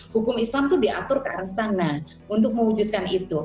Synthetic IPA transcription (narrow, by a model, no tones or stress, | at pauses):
hukʊmislamt̪udiʔa̰t̪ʊrkaa̰ɾəŋsaŋnah | unt̪̬ʊk̚məwud͡ʒut̪̚kanit̪u